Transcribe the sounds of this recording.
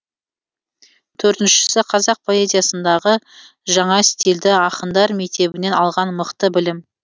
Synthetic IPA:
t̪ʰɵɾt̪ɪnʃɪ̥sɪqʰɑzɑq̚pʰo̞e̞zʲijasənd̪ɑʁə | ʒɑɴɑst̪ild̪ɪɑqənd̪ɑɾme̞k̚t̪e̞bɪne̞nɑlˠʁɑnməqt̪əbɪlɪm

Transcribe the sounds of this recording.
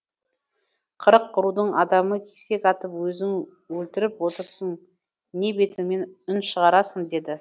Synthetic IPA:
qʰəɾəqʰːʊɾud̪əɴɑd̪ɑməkʲʰese̞kɑt̪əpwɵzɪŋ | wɵlt̪ɪɾɪpwo̞t̪əɾsən | ne̞be̞t̪ɪŋme̞nʏnʃəʁɑɾɑsənd̪e̞d̪ɪ

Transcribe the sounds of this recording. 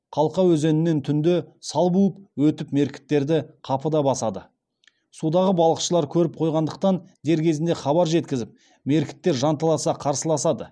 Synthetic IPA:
qʰɑlˠqɑwɵze̞nɪnːe̞nt̪ʰʏnd̪ɪsɑlˠbuəp̚wɵt̪ɪpme̞ɾkʲɪ̥t̪ːe̞ɾd̪ɪqʰɑpəd̪ɑbɑsɑd̪ə | sud̪ɑʁəbɑlˠəqʃəlˠɑɾkʲʰɵɾɪp̚qʰo̞jʁɑnd̪əq̚t̪ɑn | d̪e̞ɾkʲʰe̞zɪnd̪e̞χɑbɑɾʒe̞t̪kʲɪzɪp̚ | me̞ɾkʲɪ̥t̪ːe̞ɾʒɑnt̪ɑlˠɑsɑqʰɑɾsəlˠɑsɑd̪ə

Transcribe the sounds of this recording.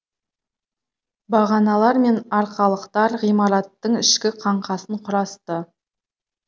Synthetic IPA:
bɑʁɑnɑlˠɑɾme̞nɑɾqɑlˠəqt̪ɑɾʁijmɑɾɑt̪ːəɴɪʃkʲɪqʰɑɴqɑsəɴqʰʊɾɑst̪ə

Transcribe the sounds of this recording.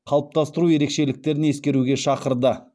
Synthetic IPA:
qʰɑlˠəp̚t̪ɑst̪əɾuje̞ɾe̞kʃe̞lɪk̚t̪e̞ɾɪne̞skʲe̞ɾuɡʲe̞ʃɑqəɾd̪ə

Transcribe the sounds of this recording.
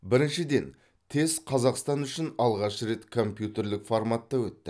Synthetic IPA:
bɪɾɪnʃɪd̪e̞n | t̪ʰe̞zqʰɑzɑqst̪ɑnʏʃɪnɑlˠʁɑʃɾe̞t̪kʰo̞mpjut̪e̞ɾlɪkformat̪ːɑwɵt̪ːɪ

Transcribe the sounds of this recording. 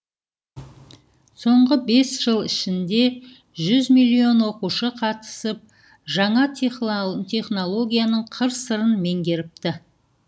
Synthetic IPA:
so̞ɴʁəbe̞sʒ̥əlˠɪʃɪnd̪e̞ | ʒʏzmilʲːio̞nwo̞quʃəqʰɑt̪ə̥səp̚ | ʒɑɴɑ | t̪ʰe̞χno̞lˠo̞ɡʲijanəɴqʰəɾsəɾənme̞ŋɡʲe̞ɾɪp̚t̪ɪ

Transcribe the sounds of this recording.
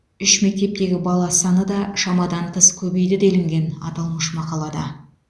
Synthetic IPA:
ʏʃme̞k̚t̪e̞p̚t̪e̞ɡʲɪbɑlˠɑsɑnəd̪ɑʃɑmɑd̪ɑɴqʰəskʲʰɵbe̞jd̪ɪd̪elɪŋɡʲe̞nɑ̰t̪ɑlˠməʃmɑqɑlˠɑd̪ɑ̰

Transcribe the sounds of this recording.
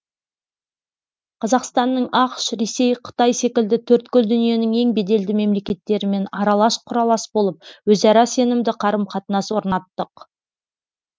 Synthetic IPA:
qʰɑzɑqst̪ɑnːəɴɑqʃɾe̞se̞jqʰə̥t̪ɑjse̞kʲɪld̪ɪt̪ʰɵɾt̪kʲʏld̪ʏnije̞nɪŋe̞ŋbe̞d̪e̞ld̪ɪme̞mle̞kʲe̞t̪ːe̞ɾɪme̞nɑɾɑlˠɑʃqʰʊɾɑlˠɑsbo̞lˠəp̚wɵzɑɾɑse̞nɪmd̪ɪqʰɑɾəmqʰɑt̪ənɑswo̞ɾnɑt̪ːəq

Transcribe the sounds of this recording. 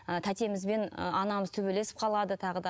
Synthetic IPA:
ət̪ʰæt̪e̞mɪzbe̞n̰ɑnɑməzt̪ʰɵbe̞le̞sɪ̥p̚qʰɑlˠɑd̪ət̪ʰɑʁəd̪ɑ

